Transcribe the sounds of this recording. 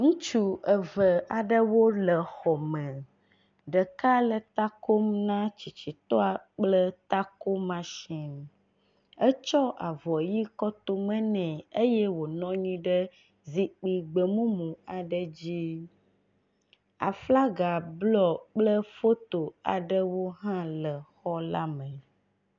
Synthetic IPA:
ŋũ˦t͡ʃu˦ə˨və˨a˨ɖə˦wo˦lə˨xɔ˨mɛ̃˨ | ɖə˨ka˦lə˨t̪a˦ko˦m˦nã˦t͡ɕi˨t͡ɕi˨t̪ɔ˦a˨k͡plə˦t̪a˦ko˦mã˦ʃɛ̃˨n˨ | ə˦t͡ʃɔ˦ʔa˨vɔ˨ji˦kɔ˦t̪o˦mɛ̃˦nɛ̃˨e˦jɛ˦wo˨nɔ̃˦ɲĩ˦ɖə˦ | zi˦k͡pi˨ɡ͡bə˨mũ˦mũ˨a˨ɖə˦d͡ʑi˦ | a̰˨fla˦ɡa˨blɔ˦k͡plə˦fo˦t̪o˨a̰˨ɖə˦wo˦ɦã˦lə˨xɔ˦la˦mə̃˨

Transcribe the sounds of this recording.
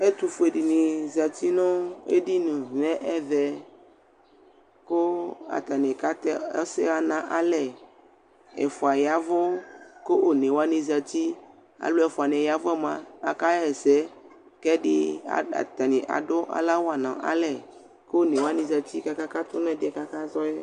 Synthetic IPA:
e˦t̪u˨fo˦e˨ɖi˨nĩ˨za˨t̪i˦nɔ̃˦ḛ˦di˦nũ˨nɛ̃˦ʔɛ˦vɛ˨ | ko˦a̰˨t̪a˨nẽ˨ka˦t̪ɛ˦sɛ˦ɣa˨nã˨ʔa˦lɛ˨ | ɛ̰˨fo˨a˨ja˨vɔ˦ko˦ʔo˨nẽ˨wa˦nĩ˨za˨t̪i˦ | a̰˨lo˦ɛ˨fɔ˨a˨nɛ̃˨ja˨vo˦ɛ˦mã˨a̰˨ka˦ɛ˨sɛ˦ | kɛ˦ɖi˦a̰˨a̰˨t̪a˨nĩ˨ʔa̰˨ɖo˦ʔa̰˨la˦wa˨nã̰˨ʔa̰˦lɛ˦˨ | ko˦nẽ˨wa˦nĩ˨za˨t̪i˦ka˦ka˦ka˦t̪o˦nɔ̃˦ɛ˦di˦ɛ˨ka˦ka˦zɔ˦je˦

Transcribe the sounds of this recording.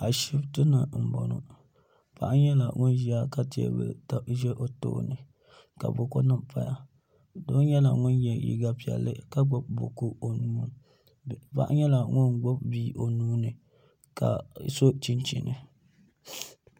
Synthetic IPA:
a˨ʃi˦btɨ˦na˨m̩˨bɔ˨nʊ̰˨ | pa̰˨ʔɲɛ˦la˨ŋʊ˦n˦ʒi˨˦a˦ka˦ti˨ɛ̰˦bɨ̰˨ta˨ʒɛ˦ʔo˨to̰˦nɨ˨ | ka̰˨bʊ˨ko˦nɨ˦pa˨ja˨ | doː˦ɲɛ˦la˨ŋʊ˦njɛ˨jḭ˨ɡa˦pi˨ɛ̰˨lːɨ̰˦ka˦ɡ͡bɔ˨b̚bo̰˨ko˦o˨nuː˦ | pa̰˦ʔɲɛ˦la˨ŋʊ˦nɡ͡bo˦bbiː˦ʔo˨nuː˦nɨ˨ | ka̰˨so˦t͡ʃi˦nt͡ʃḭ˨nɨ˨

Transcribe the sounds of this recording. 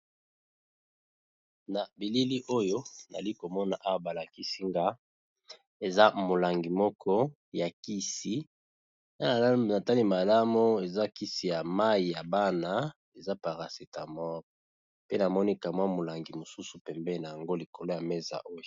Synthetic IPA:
na˨bi˨li˦li˦ʔo˦jo˦na̰˨li˦ko˨mɔ˦na˨ʔa˦wa˦ba˨la˨ki˦si˦ŋɡa˦ | e˨za˦mo˨la˨ŋɡi˨mɔ˦kʰɔ˦ | ja˨ki˦si˨ | na˦˨na˨ta˦li˦ma˨la˦mo˦e˨za˦ki˦si˨ja˨ma˦i˨ja˨ba˦na˦ | e˨za˦pa˨ʁa˨se˨ta˨mɔ˦ʁ | pe˦na˨mɔ˦ni˦ka˨mwa˦mo˨la˨ŋɡi˨mo˨su˦su˨pɛ˨mbɛ˦na˨ja˨ŋɡo˦li˨ko˨lo˦ja˨me˦za̰˨ʔo˦jo˨

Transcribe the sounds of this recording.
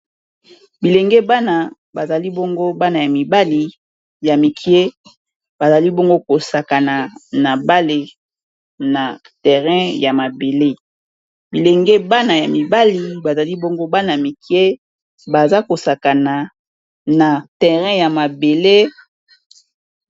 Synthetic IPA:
bi˨le˨ŋɡe˦ba˦na˨ | ba˨za˨li˦bo˦ŋɡo˦ba˦na˨ja˨mi˨ba˦li˨ | ja˨mi˨kʰi˦e˦ | ba˨za˨li˦bo˦ŋɡo˦ko˨sa˨ka˨na˨na˨ba˦le˨ | na˨ | tɛ˨ʁɛ̃˦ja˨ma˨be˨le˦ | bi˨le˨ŋɡe˦ba˦na˨ja˨mi˨ba˦li˨ba˨za˨li˦bo˦ŋɡo˦ba˦na˨a˨mi˨ki˦e˦ | ba˨za˦ko˨sa˨ka˨na˨ | na˨tɛ˨ʁɛ̃˦ja˨ma˨be˨le˦

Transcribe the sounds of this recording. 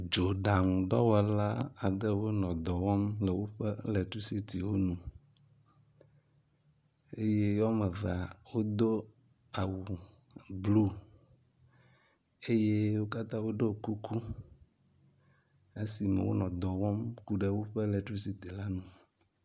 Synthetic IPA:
d͡ʒo˨ɖa˨ŋ˨d̪ɔ˦wɛ˨la˦a˨ɖɛ˦wo˦nɔ̃˨d̪ɔ˨wɔ˦mlɛ˨wo˦ɸɛ˦lɛ˨t̪ɾu˦si˦t̪i˨wo˦nũ˨ | e˦je˦jɔ˦mɛ˨vɛ˨a˨wo˦d̪o˦ | a˨wu˨ | blu˦ | e˦je˦wo˦ka˦t̪ã˦wo˦ɖo˦˨ku˦kʰu˦ | e˦si˨mɛ̰˨wo̰˦nɔ̃˨d̪ɔ˨wɔ˦mku˦ɖe˨wo˦ɸɛ˦lɛ˨t̪ɾu˦si˨t̪i˨la˦nũ˨

